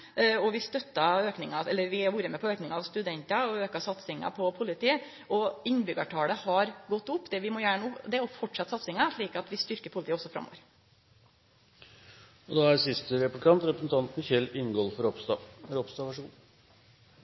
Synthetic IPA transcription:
ɔʋɪst̪œt̪ːɑøːknɪŋɑɛlːəɾʋɪhɑɾʋuːɾəmɛpʰɔøːknɪŋɑɑʋst̪ʉd̪ɛnt̪ɑɔøːkɑsɑt̪sɪŋɑ̰pʰɔpʰʊlɪt̪ʰiː | ʔɔɪnːbʏɡɑʈʰɑːləhɑɾɡɔt̪ːʊpːd̪ɛʋɪmɔːjæːɳəʊd̪ɛɔfɔʈʂɑt̪ːsɑt̪sɪŋɑʂɭiːkɑt̪ʋɪst̪ʏɾkəɾpʰʊlɪt̪ːɔsɔfɾɑ̰mːɔ̰ʋəɾ | ɔd̪ɑːæɾsɪst̪əɾɛplɪkɑnt̪ɾɛpɾəsn̩t̪ʰɑnt̪nəçɛlːɪnɡoːlfɔɾɔpst̪ɑɾɔpst̪ɑʋæʂɡuːn

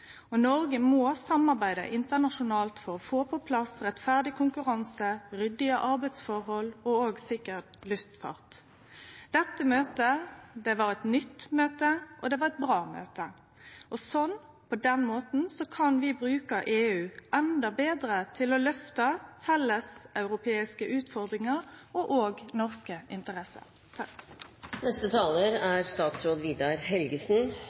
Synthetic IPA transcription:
ɔnɔɾɡəmɔːsɑmːɑʁbæɪd̪ə̰ʔɪnt̪ənɑʂʊnɑːlt̪fɔʁɔfoːpʰɔpʰlɑsʁɛt̪fæʁd̪ɪkʰʊŋkʉʁɑnsəɾʏd̪ɪəʔɑʁbæɪd̪sfɔʁhɔlɔoːɡsɪkəʁt̪lʉft̪fɑ̰ʁt̪ | d̪̥ɛt̪ːəmøːt̪əd̪ɛʋɑɾɛt̪nʏt̪ːmøːt̪əʔɔd̪ɛʋɑʁɛt̪̚bʁɑːmø̰ːt̪ə | ʔɔsɔn | pʰɔd̪ɛnmoːt̪n̩sɔkʰɑnʋɪbɾʉːkəʔeːʉːʔɛnd̪ɑbeːd̪ɾət̪ʰɪlɔlœft̪ɑfɛlːəsɑʉʁʊpʰeːɪskəʔʉːt̪fɔʁd̪ʁɪŋəʁɔʔoːɡnɔʁskəʔɪnt̪əʁɛsə̰ | nɛst̪ət̪ʰɑːləɾæɾst̪ɑːt̪sɾoːd̪ʋiːd̪ɑɾɦɛlɡəsn

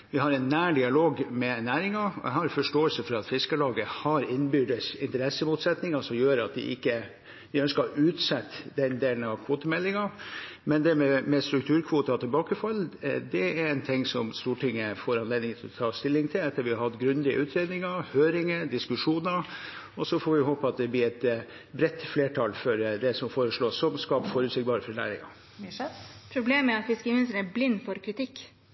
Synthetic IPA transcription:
ʋɪhɑɾɛnːæːɖɪɑloːɡmɛnæːɾɪŋɑɛ̰hɑɾfɔʂʈoːəlsəfɔɾɑt̪fɪskəlɑːɡəhɑɾɪnbʏɖ̪əsɪnt̪əɾɛsːəmʊt̪sɛt̪nɪŋɑsɔmjøːɾɑt̪̚d̪ɪ̰ʔɪkːə | ʋɪœnskɑʉːt̪sɛt̪ːd̪ɛnd̪eːlənɑʋkʰʋoːt̪əmɛlːɪŋɑmɛnd̪ɛmɛmɛst̪ɾʉkt̪ʰʉːɾkʰʋuːt̪ɑt̪ʰɪlbɑːkəfɑlːd̪ɛæɾɛnt̪ʰɪŋːsɔmst̪uːʈʰɪŋːəfoːɾɑneːd̪ɪŋət̪ʰɪlɔt̪ʰɑːst̪ɪlːɪŋt̪ʰɪlɛt̪ʰːəɾʋɪhɑɾhɑt̪ːɡɾʉnd̪ɪə̰ʔʉːt̪ʰɾeːd̪nɪŋɑhøːɾɪŋəd̪ɪskʉʂuːnɑ | ɔsɔfɔɾʋɪhɦoːpəɑt̪̚d̪ɛblɪɾɛt̪ | bɾɛt̪ːfleːʈʰɑlfɔɾd̪ɛsɔmfoːɾəʂɭoːsːɔmskɑːpfɔɾʉːt̪sɪk̚bɑːɾəfɔɾnæ̰ːɾɪ̰ŋɑ̰ | pʰɾʊbleːməɾɑt̪fɪskəmɪnst̪əæblɪnːfɔɾkʰɾɪt̪ʰɪkː

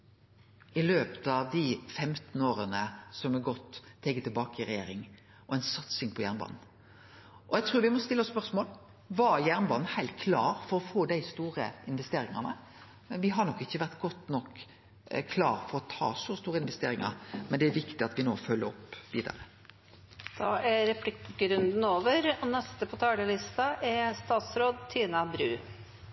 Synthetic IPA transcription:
ɪløːpə̥t̪ɑʋd̪ɪfɛmt̪n̩oːɾənəsɔmɛɡɔt̪ʰːeːɡət̪ʰɪlbɑːkəɪɾɛjeːɾɪŋ | ʔɔɛɪnsɑt̪sɪŋpʰɔjæːʁnbɑ̰ːnn̩ | ʔɔjæɪt̪ʰɾʉːɾʋɪmɔst̪ɪlːɔspœʁsmoːl | ʋɑjæʁnbɑːd̪n̩hæɪlt̪̚kʰlɑːɾfɔɾɔfoːd̪æɪst̪uːɾə̰ɪnʋɛst̪eːɾɪŋɑnə | mɛnʋɪɦɑɾɳɔkːɪçːəʋæʁt̪ɡɔt̪ːnɔk | kʰlɑ̰ːɾfɔɾɔt̪ʰɑ̰ːsɔst̪uːɾəɪnʋɛst̪ḛːɾɪŋɑ̰ɾmɛnd̪ɛæɾʋɪkt̪ɪɑt̪ʋɪno̰ːfœlːəɾɔ̰pːʋiːd̪ɑ̰ɾə | d̪̥ɑʔæɾɛpʰlɪkɡɾʉnd̪n̩oːʋəɾɔnɛst̪əpʰɔt̪ʰɑːləlɪst̪ɑʔæst̪ɑːt̪sɾoːd̪̚t̪ʰiːnɑbɾʉː

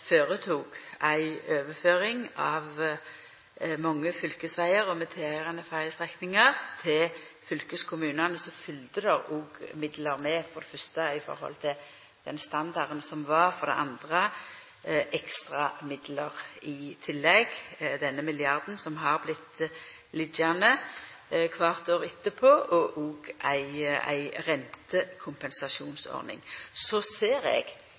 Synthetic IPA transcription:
føːʁət̪ʰuːɡæɪøːʋəføːʁɪŋɑʋ | mɑŋːəfʏlkəsʋæɪəɾɔmɛt̪ʰeːæʁɑnəfæɾəst̪ʁɛknɪŋəʁt̪ʰɪlfʏlkəskʰʊmʉːnɑnəsɔfʏlt̪əd̪ɛʁuɡmɪd̪ləʁmɛfɔd̪ɛfœʁst̪əɪfɔ̰ɾhɔ̰lt̪ʰɪ | d̪̥ɛnst̪ɑnd̪ɑʁnsɔmʋɑʁfɔʁɾd̪ɛ̰ʔɑnd̪ʁə | ʔɛkst̪ʁɑmɪd̪ləʁɪt̪ʰɪlːɛɡd̪ɛnːəmɪlɪɑʁd̪n̩sɔmɦɑʁblɪt̪ː | lɪd̪jænə | kʰʋɑʁt̪oːʁɪt̪ːəpʰoːʔɔʔuːɡʔæɪæ̰ɪʁɛnt̪əkʰʊmpɛnsɑʃuːnsɔ̰ʁnɪ̰ŋsoseːɾɛ̰ɡ̥

